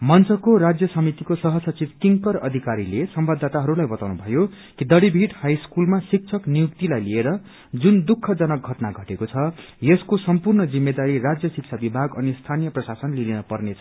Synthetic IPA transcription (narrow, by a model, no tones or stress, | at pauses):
mʌnt͡sʌkoɾad͡zjʌsʌmit̪ikosʌɦʌsʌt͡sibkiŋkʌrʌ̰d̪ʱikaɾilesʌmbʌd̪ʱːat̪aɦʌɾulajbʌt̪awnubʱʌjo | kid̪ʌɽibʱiʈhajskulmasik̚t͡sʰʌknijuk̚t̪ilajlieɾʌ | d͡zund̪ukʰːʌd͡zʌnʌk̚ɡʱʌʈnaɡʱʌʈekot͡sʰʌ | jeskosʌmpurnʌd͡zimːed̪aɾirad͡zjʌsik̚t͡sʰabibʱaɡʌnist̪ʰanijʌprʌsasʌnlinenʌpʌrnet͡sʰʌ̥